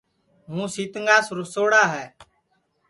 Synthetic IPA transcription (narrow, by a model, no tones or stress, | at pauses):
ɦũːsiːt̪əŋɡaːsɾʊsoːɽaːɦɛː